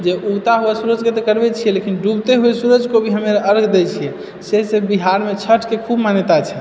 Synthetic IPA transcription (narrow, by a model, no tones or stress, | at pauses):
d͡ʒeʔut̪aɦuɛsuɾəd͡ʒket̪ɔkəɾbet͡ʃʰijɛlekinɖubt̪eɦuɛsuɾəd͡ʒkobʱiɦəmeɾəɾɡʱd̪ɛt͡ʃʰijɛ | seɦsebiɦaɾmet͡ʃʰəʈʰkekʰubmanjt̪at͡ʃʰɛ